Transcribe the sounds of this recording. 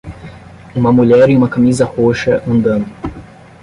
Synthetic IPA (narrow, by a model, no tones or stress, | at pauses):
ũmɐmuʎɛɾiumɐkɐmizɐhoʃɐʔɐ̃nd̪ɐ̃nd̪ʊ